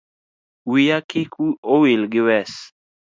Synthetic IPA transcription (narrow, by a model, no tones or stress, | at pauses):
wijakikiowilɡɪwɛs